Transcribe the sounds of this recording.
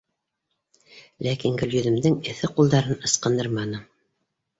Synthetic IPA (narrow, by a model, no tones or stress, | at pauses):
lækiŋɡɵ̆ljɵ̆ðɘ̆md̪ɘŋɘ̆θɘqulˠd̪ɑɾɤnɤ̆sqɤ̆nd̪ɤɾmɑnɤ